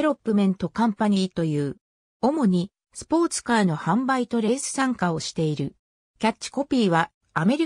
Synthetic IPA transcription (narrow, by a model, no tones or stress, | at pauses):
eɾo̞pːɯ̟mẽ̞nt̪o̞kãmpaɲ̟it̪o̞jɯ̟ː | o̞mo̞ɲ̟i | sɨ̥po̞ːt͡sɨ̥kaːno̞hãmbait̪o̞ɾe̞ːsɨ̥sãŋkao̞ɕi̥t̪e̞iɾɯ̟ | kʲat͡ɕːi̥ko̞pʲiːβaː | me̞ɾʲi